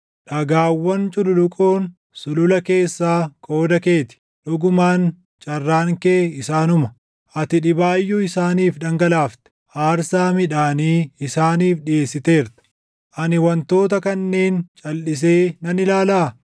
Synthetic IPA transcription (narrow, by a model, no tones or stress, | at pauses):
ᶑɐɡaːwːɐnt͡ʃʼʊlʊlʊkʼoːn | sʊlʊlɐke̞ːsːaːkʼo̞ːd̪ɐke̞ːt̪ɪ̥ | ᶑʊɡʊmaːn | t͡ʃʼɐrːaːŋkeːɪsaːnʊmɐ | ʔɐt̪ɪᶑɪbaːjːʊɪsaːniːfᶑɐŋɡɐlaːft̪ɛ̥ʔaːɾsaːmɪᶑaːniːɪsaːniːfᶑɪeːsːɪt̪e̞ːɾt̪ɐ̥ | ʔɐnɪwɐnt̪o̞ːt̪ɐkɐnːe̞ːnt͡ʃʼɐlːɪs̬e̞ːnɐnɪlaːlaː